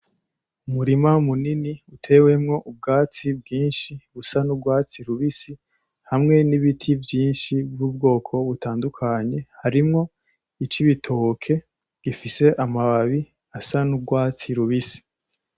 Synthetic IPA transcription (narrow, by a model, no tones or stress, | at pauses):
umuɾimamuniniutʰe̞we̞mŋo̞ʔub̚ɡaːt͡sibɡiːnʃiβusanubɡwaːt͡siɾuβisi | hamŋe̞niβitʰivjiːnʃivjuːbɡo̞ːkʰo̞βutaːndukʰaɲe̞haɾimŋo̞ | it͡ʃiβitʰokʰe̞ | ɡ̥ifise̞ʔamaβaβi | asanub̚ɡwaːt͡siɾuβisi̥